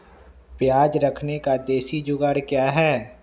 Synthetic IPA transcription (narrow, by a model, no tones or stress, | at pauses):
pjaːd͡ʒɾɐkʰnekad̪eːsid͡ʒʊɡəɾkjaːɦɛː